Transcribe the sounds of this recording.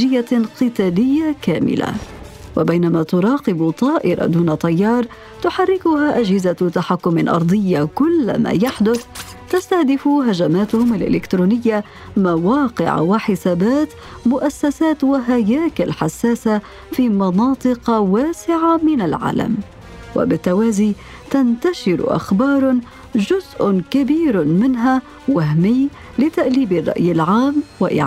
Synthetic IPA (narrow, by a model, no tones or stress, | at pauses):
ɪjːaqɨt̪aːlɪjːakaːmɪ̰la̰ | wabajnamat̪ʊɾˤɑːqɪbt̪ˤɑːʔɪ̰ɾˤɑ̰d̪uːnat̪ˤɑjːɑːɾˤ | t̪ʊħarːɪkʊhaːʔad͡ʒhɪzat̪aħakːʊmɪlʔɑ̰ɾˤd̪ˤɨjːakʊlːma̰ːjaħd̪ʊθ | t̪ast̪ahd̪ɪfuɦad͡ʒamaːt̪ʊhʊmalʔɪ̰lɪkt̪ɾuːnɪjːa | mawɑːqɪ̰ʕ̰waħɪsaːbaːt̪ | mʊʔasːasaːt̪waɦajaːkɪlħasːaːsa | fiːmɑnɑːt̪ˤɨqɑwaːsɪʕamɪnalʕa̰ːla̰m | wa̰bɪt̪ːawaːziː | t̪ant̪aʃɪɾ̰ʔa̰xbɑːɾˤ | d͡ʒʊzʔʊkabiːɾmɪnɦa | wahmɪj | lɪt̪aʔliːbɪrˤːɑ̰ʔjɪlʕaːmwɪʔɪ̰ʕ